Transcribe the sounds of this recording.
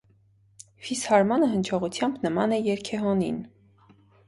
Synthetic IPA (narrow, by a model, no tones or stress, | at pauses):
fishɑɾmɑnəɦənt͡ʃʰɔʁut͡sʰjɑmbnəmɑnɛjɛɾkʰɛɦɔnḭn